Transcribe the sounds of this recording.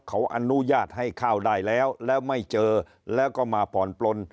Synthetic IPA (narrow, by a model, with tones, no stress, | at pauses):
kʰa˩˦wʔa˧nu˦˥jaː˥˩t̪̚ha˥˩jkʰaː˥˩wdaː˥˩jlɛː˦˥wlɛː˦˥wma˥˩jt͡ɕɤː˧ | lɛː˦˥wkɔː˥˩maː˧pʰɔː˨˩˦nplo˧n